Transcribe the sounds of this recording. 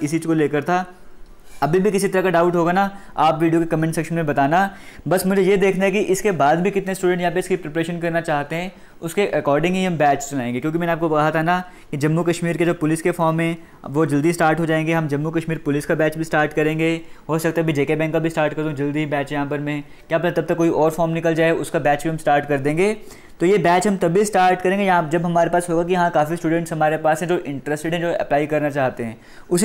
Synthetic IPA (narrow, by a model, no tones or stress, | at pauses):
ɪs̬iːd͡ʒkoleːkəɾt̪ʰaː | ɐbʱibʱikɪsit̪ɐɾəkaɖaːʊʈɦoːɡana | aːpʋiːɖijokekɐmɛ̃ɳʈsɛːkʃənmẽbɐt̪aːnabɐsmʊd͡ʒʱejed̪eːkʰnaɦɛkiʔɪskebaːd̪bʱikɪt̪nesʈuːɖɛ̃ɳʈjɐɦãpeɪskipɾɪpɾeːʃənkɐɾnat͡ʃaːɦt̪eɦɛ̃ː | ʊskeʔɐkɔːɾɖɪ̃ŋɡɦiɦɐmbɛːt͡ʃsʊnaːẽːŋɡekjõːkimɛ̃ːneaːp̚kobɐkaːɦat̪ʰana | kid͡ʒɐmːukɐʃmiːɾked͡ʒoːpʊlɪskefɔːɾmɦɛ̃ | ʋod͡ʒɐld̪isʈaːɾʈɦod͡ʒaːẽːŋɡeɦɐmd͡ʒɐmːukɐʃmiːɾpʊlɪskabɛːt͡ʃbʱisʈaːɾʈkɐɾẽːŋɡeːɦoːsɐk̚t̪abʱid͡ʒeːkebɛ̃ːŋkkabʱisʈaːɾʈkɐɾd̪õd͡ʒɐld̪iibɛːt͡ʃjɐɦãːpɐɾmẽ | kjaːpɐt̪ɐb̚t̪ɐkːoːiʔɔːɾfɔːɾmnɪkəld͡ʒaːeʊskabɛːt͡ʃbiɦɐmsʈaːɾʈkɐɾd̪ẽːŋɡeː | t̪ojebɛːt͡ʃɦɐ̃mt̪ɐbʱbisʈaːɾʈkɐɾẽːŋɡejɐɦãd͡ʒɐbɦɐmaːɾepaːsɦoːɡak̬ijɐɦãkaːfisʈuːɖɛ̃ɳʈsɦɐmaːɾepaːsɦɛ̃d͡ʒoʔɪ̃ɳʈɾɛsʈɪɖɦɛ̃d͡ʒoɐ̰plaːikɐɾnat͡ʃaːɦt̪eɦɛ̃ː | ʊs